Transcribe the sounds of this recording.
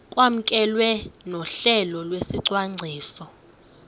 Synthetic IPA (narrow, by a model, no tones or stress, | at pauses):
kʼwam̩kʼɛlwɛnɔɬɛlɔlwesiǀwaŋ͡ǀʱiːsɔ